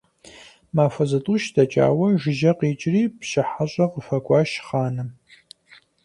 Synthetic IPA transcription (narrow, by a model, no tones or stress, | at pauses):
maːfɐzɐtʼuʃdɐt͡ʃʼa̰ːwɐʒɪʒɐqiːt͡ʃʼriːpɕɪħaɕʼɐqəfɐkʷʼɑːʃχaːnɨ